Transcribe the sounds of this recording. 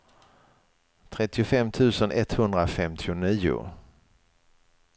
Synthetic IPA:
t̪ʰɾɛt̪ːɪʊfɛmːt̪ʰʉ̟ːsənʔɛt̪hɵnd̪ɾafɛmt̪ʰɪʊniːʊ̰

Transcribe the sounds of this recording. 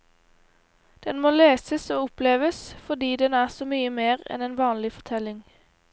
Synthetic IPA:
d̪̥ɛnmoːleːsəsoːʊpleːʋəsfɔd̪iːd̪ɛnæːʁsoːmyːəmeːʁɛ̰neːnʋɑːnlɪfɔʁt̪ʰɛlɪŋ

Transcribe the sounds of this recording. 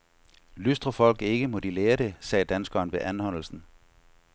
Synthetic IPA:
lysd̥ʁɐfɒ̽l̰ɡ̥e̝ɡ̥əmɔ̽d̥ileːɐɾ̥e̝sɛ̰ːd̥ænsɡ̥ɐːnʋe̝ʔænhɒ̽n̰l̩sn̩

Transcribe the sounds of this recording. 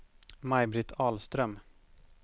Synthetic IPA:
majbɾɪt̪ʰɑːlst̪ɾœm

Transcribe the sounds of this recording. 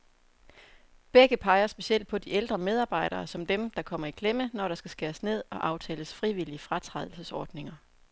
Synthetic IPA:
b̥eɡ̥əpʰɑ̈ɪɐsb̥e̝siel̰d̥̚pʰɒ̽d̥ield̥ʁɐmeð̞ˠɑ̈ːb̥ɑ̈ɪ̰ɾ̥ɐːsɒ̽md̥emd̥ɑ̈kʰɒ̽m̰ɐikʰlemənɒɾ̥ɑ̈sɡ̥æsɡ̥eɐsne̝ð̞̰ˠɒ̽ʔɑ̈ʊt͡sʰɛ̰ːləsfʁiʋiliəfʁɑt͡sʰʁɑð̞ˠl̩səsɒːd̥ne̝ŋɐ

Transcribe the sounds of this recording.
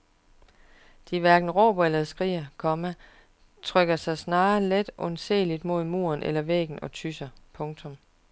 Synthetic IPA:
d̥iʋæɐɡ̥n̩ʁɔ̰ːb̥ɐelɐðsɡ̥ʁḭːɐkʰɒ̽mæ | t͡sʰʁœɡ̥ɐsɑ̈ɪsnɑ̈ːled̥ʔɔnsḛːlid̥mo̝ð̞̰ˠmo̝̰ːɐnʔelɐʋḛːɡ̥n̩ɒ̽t͡sʰysɐpʰɔ̽ŋt͡sʰɔ̽m

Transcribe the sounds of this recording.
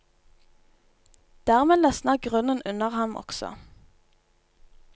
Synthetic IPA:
d̪̥æːʁmeːlœsnəɡʁʉnənʉnəʁhɑmʔɔ̰ksɔ̰

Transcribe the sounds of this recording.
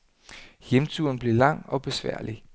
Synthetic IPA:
jemt͡sʰuɐnb̥liɐlɑ̈ŋ̰ɒ̽b̥e̝sʋæ̰ɐ̰li

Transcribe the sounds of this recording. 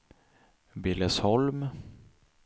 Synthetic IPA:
bɪləshɔlm

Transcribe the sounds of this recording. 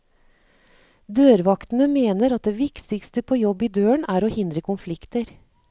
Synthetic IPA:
d̪øːɾʋɑkt̪n̩əmeːnəɾɑt̪̚d̪eːʋɪkt̪ɪkst̪əpʰoːjɔbːiːd̪øːəɳæːɾoːhɪnd̪ɾəkʰʊnflɪkt̪əɾ

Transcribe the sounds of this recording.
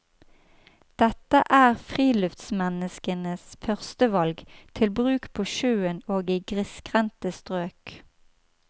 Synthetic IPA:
d̪̥ɛt̪əʔæːʁfʁiːlʉft̪smɛnəskənəsfœʁst̪əʋɑlɡt̪ʰɪlbʁʉːkpʰoːʃøːənoːɡiːɡʁɪskʁɛnt̪əst̪ʁøːk

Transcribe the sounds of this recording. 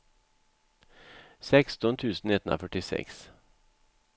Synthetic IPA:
sɛkst̪ɔnt̪ʰʉːsn̩nɪt̪ʰːənʔo̰fœʈɪsɛ̰ks

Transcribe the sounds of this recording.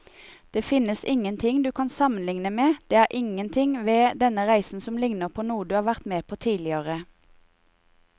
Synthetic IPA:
d̪̥eːfɪnəsɪŋənt̪ʰɪŋd̪ʉːkʰɑnsɑmənlɪŋnəmeːd̪̥eːæːʁʔɪŋənt̪ʰɪŋʋeːd̪ɛnəʁæɪsn̩sɔmlɪŋnəʁpʰoːnuːəd̪ʉːhɑːʋæʁt̪meːpʰoːt̪ʰiːlɪəʁə

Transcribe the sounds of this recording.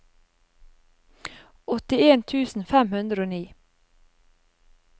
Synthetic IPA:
ɔt̪ɪeːnt̪ʰʉːsn̩fɛmhʉnd̪ɾəoːniː

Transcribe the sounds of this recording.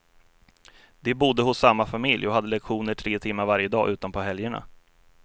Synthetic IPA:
d̪̥ɛbʊd̪ːəhʊsːamːafamɪljɔɦad̪ːəlɛkɧuːnəʈʰɾeːt̪ʰɪmːaɾvaɾjəd̪ɑ̰ːʔʉ̟ːt̪anpʰɔɦɛljəɳa̰

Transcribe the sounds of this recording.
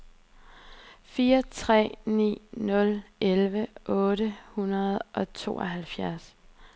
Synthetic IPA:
fiːɐt͡sʰʁɛ̰ːnḭːnɔ̽lelʋəʔɔ̽ːɾəhunɐð̞̩ˠʔɒ̽t͡sʰo̝̰ːʔɒɦælfjæɐs

